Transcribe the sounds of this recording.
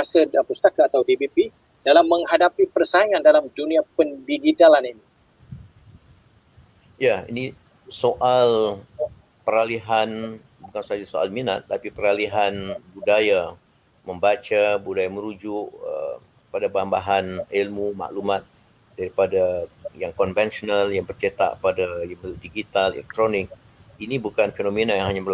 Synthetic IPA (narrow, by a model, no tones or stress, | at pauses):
asədapust̪akaːt̪awdibipi | d̥alamːəŋhadapipərsaŋandalamduniapəndiɡit̪alanini | jaḭni | soʔal | pəɾaliɦan | bukansad͡ʒasoa̰lmina̰t̪ːapipəɾaliɦanbudaja | məmbat͡ʃabudajaməɾud͡ʒʊʔə̰ | padabambaɦanilmuma̰ʔlumat̪̚ | daɾipadajaŋkɔnvɛnsonaljaŋbərt͡ʃet̪a̰ʔpadajabədiɡit̪alɛ̰lɛk̚t̪ɾonɪk̚ | inibukanfenominajaŋɦaɲabərl